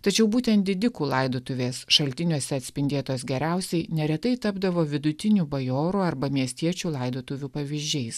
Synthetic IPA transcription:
t̪ɐt͡ʃʲɛʊbuːt̪ʲɛnt̪̚d̪ʲɪd̪ʲɪkuːlˠɐɪd̪oːt̪ʊʋʲeːsʃɐlʲt̪ʲɪnʲoːsʲɛɐt̪ʲsʲpʲɪnʲd̪ʲeːt̪oːsɡʲɛɾʲæˑʊsʲɛɪnʲɛɾʲɛt̪ɐɪt̪ɐbd̪ɐʋoːʋʲɪd̪ʊt̪ʲɪnʲuːbɐjoːɾuɐɾbɐmʲiɛsʲt̪ʲiɛt͡ʃʲuːlˠɐɪd̪oːt̪ʊʋʲuːpɐʋʲɪʒʲd͡ʒʲɛɪs

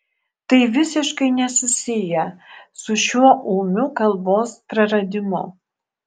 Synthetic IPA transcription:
t̪ɐɪʋʲɪsʲɪʃkɐɪnʲɛsʊsʲɪjɛsʊʃʲuɔʔuːmʲʊkɐlˠboːspɾɐɾɐd̪ʲɪmʊ

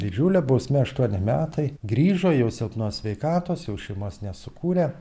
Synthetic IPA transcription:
d̪ʲɪd͡ʒʲuːlʲɛbɐʊsʲmʲɛɐʃt̪uɔnʲɪmʲæːt̪ɐɪɡɾʲiːʒoːjɛʊsʲɪlˠpnuɔsʲʋʲɛɪkɑːt̪oːsjɛʊʃʲɛɪmoːsnʲɛsʊkuːɾʲɛ

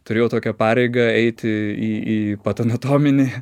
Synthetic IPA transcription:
t̪ʊɾʲeːjɛʊt̪oːkʲɛpɑːɾʲɛɪɡɐɛɪt̪ʲɪiːiːpɐt̪ɐnɐt̪oːmʲɪnʲɪ

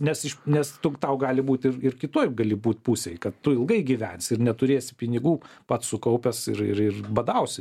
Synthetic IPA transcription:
nʲɛsɪʃnʲɛst̪ʊt̪ɐʊɡɑːlʲɪbuːt̪ʲɪrɪrkʲɪt̪oɔɪɡɐlʲɪbuːt̪puːsʲɛjkɐt̪tʊɪlˠɡɐɪɡʲiʋʲænʲsʲɪɾnʲɛt̪ʊɾʲeːsʲɪ̥pʲɪnʲɪɡuː | pɐt̪ssʊkɐʊpʲɛsɪɾɪɾɪrbɐd̪ɐʊsʲɪ

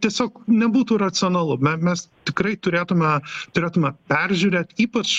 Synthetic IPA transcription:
t̪ʲiɛsʲoːknʲɛbuːt̪uːɾɐt͡ssʲɪɔnɐlˠʊmʲɛmʲɛst̪ʲɪkɾɐɪt̪ʊɾʲeːt̪ʊmʲɛt̪ʊɾʲeːt̪ʊmʲɛpʲɛrʲʒʲuɾʲeːt̪ʲiːpɐt͡ʃ

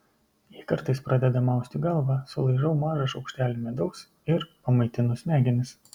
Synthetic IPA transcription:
jikɐɾt̪ɐɪspɾɐd̪ʲɛd̪ɐmɑˑʊsʲt̪ʲɪɡɐlˠʋɑsʊlˠɐɪʒɐʊmɑːʒɐʃɒʊkʃʲt̪ʲæːlʲɪmʲɛd̪ɐʊs | ɪɾpɐmɐɪt̪ʲɪnʊsʲnʲæːɡʲɪnʲɪs

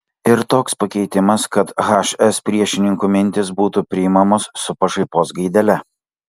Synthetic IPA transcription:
ɪɾt̪oːkspɐkʲɛɪt̪ʲɪmɐskɐt̪ɣɑːʃɛspʲɾʲiɛʃʲɪnʲɪŋkuːmʲɪnʲt̪ʲɪsbuːt̪upʲɾʲɪɪmɐmoːsːʊpɐʒɐɪpoːsɡɐɪd̪ʲɛlʲɛ

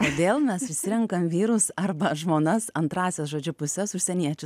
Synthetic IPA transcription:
toːd̪ʲeːlˠmʲɛsʊʃʲsʲɪɾʲɛŋkɐmʋʲiːɾʊsɐrbɐʒmoːnɐsɐnt̪ɾɑːsʲɛsʒoːd͡ʒʲʊpʊsʲɛsʊʃʲsʲɛnʲiɛt͡ʃʲʊ

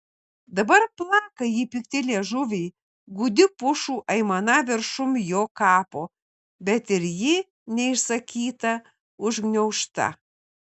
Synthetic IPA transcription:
d̪ɐbɐɾplˠɑːkɐjiːpʲɪk̚t̪ʲɪlʲeɛʒʊʋʲɛɪ | ɡuːd̪ʲɪpʊʃuːʔɐɪmɐnɐʋʲɪɾʃʊmjoːkɑːpoː | bʲɛt̪ɪɾjɪ | nʲɛɪʃsɐkʲiːt̪ɐ | ʊʒɡnʲɛʊʃt̪ɐ̰

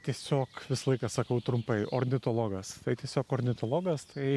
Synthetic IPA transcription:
t̪ʲiɛsʲoːkʋʲɪsɐlˠɐɪkɐsɐkɐʊt̪ɾʊmpɐɪʔoɾʲnʲɪt̪oːlˠoːɡɐst̪ɐɪt̪ʲiɛsʲoːkoɾʲnʲɪt̪oːlˠoːɡɐst̪ɐɪ

